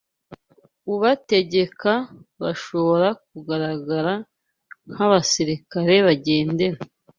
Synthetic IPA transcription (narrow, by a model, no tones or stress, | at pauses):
uβate̞ɟe̞kaβaʃo̞βo̞ɾak̚uɡaɾaɡaɾa | n̥haβasiɾikaɾe̞βaɟe̞ːnde̞ɾa